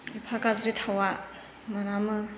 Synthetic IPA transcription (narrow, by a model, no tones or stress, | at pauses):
ipʰakazɾitʰawa | maɾamɯ